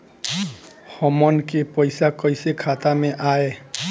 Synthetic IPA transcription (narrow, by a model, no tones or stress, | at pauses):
hɔmɔnkepɔjsakɔjsekʰat̪ameʔae